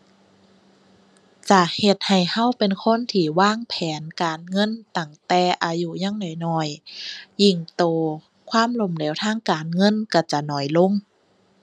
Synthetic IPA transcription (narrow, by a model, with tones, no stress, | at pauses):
t͡ɕa˧he˧˩t̪̚ha˨˩jha˧˥˨wpe˨nkʰo˧˥˨nt̪ʰiː˧˩waː˧˥˩ŋpʰɛː˨˦nkaː˨nŋɤ˧˥˨nt̪a˧˩ŋt̪ɛː˧˩ʔaː˨˧ju˧ɲaː˧˥˨ŋdɔː˨˩jnɔː˧˩jː | i˧˩ŋt̪ɔː˨˧ | kʰwaː˧˥˨mlo˧˩mleː˨˦wt̪ʰaː˧˥˨ŋkaː˨nŋɤ˧˥˨nka˧˩t͡ɕa˧nɔː˨˩jlo˧˨ŋ